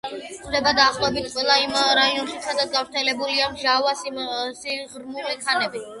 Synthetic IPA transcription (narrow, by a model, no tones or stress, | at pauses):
χd̪ɛbad̪aːχlˠɔbit̪qʼwɛlˠaimɾaiɔnʃit̪sʰad̪at̪ɡavɾt̪ʰɛlɛbuliamʒavassiʁɾmulikʰanɛbi